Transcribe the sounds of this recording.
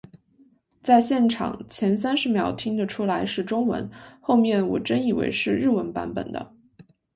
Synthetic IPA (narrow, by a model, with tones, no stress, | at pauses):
t͡sa˥˧ɪɕjɛ˥˩nʈ͡ʂʰɑ̰˨˩ŋt͡ɕʰjɛ˧˥nsa˥nʂɻ̩˧˥mjɑ˨˩ʊt̪ʰi˥ŋd̪ə˨ʈ͡ʂʰu˥la˧˥ɪʂɻ̩˥˩ʈ͡ʂʊ˥ŋwə̰˧˥nxo˥˧ʊmjɛ˥˩nwɔ̰˨˩ʈ͡ʂə˥ni˨˩wḛ˧˥ɪʂɻ̩˥˧ɻ̩˥˩wə˧˥npa̰˧˥npə̰˨˩nd̪ə̰˦